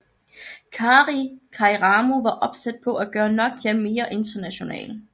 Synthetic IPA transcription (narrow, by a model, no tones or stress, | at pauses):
kʰɑːʁikʰɑ̈iʁɑːmo̝ʋɑ̈ʔɒ̽b̥sæd̥̚pʰɒ̽ʔæɡ̥ɶːɐnɒ̽ɡ̥̚jeme̝ːɐʔe̝nd̥ɐnæɕo̝nɛ̰ːl